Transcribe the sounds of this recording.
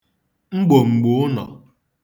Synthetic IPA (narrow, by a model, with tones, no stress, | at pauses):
ŋ͡m̩˦ɡ͡bo˨ŋ͡m̩˨ɡ͡bʊ˦ʊ˦nɔ̰˨